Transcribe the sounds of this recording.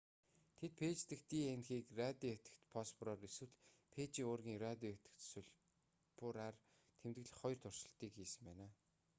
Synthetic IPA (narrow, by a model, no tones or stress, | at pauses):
t̪ʰet̪̚pʰeːt͡ɕt̪ɘ̆kt̪iːenxiːkrat̪ʲiet̪ɘ̥̆kt̪pʰɔspʰrɔːɾeswɘ̆ɮpʰeːt͡ɕiːŋoːrɣʲiːŋrat̪ʲiet̪ɘ̆kt̪sʊɮ | pʊɾar | t̪ʰemt̪ɡɘ̆ɮχɔj̆rt̪ʰʊr̥ʃɪ̆ɬt̪iːkxiːsɘ̆mpæːnaː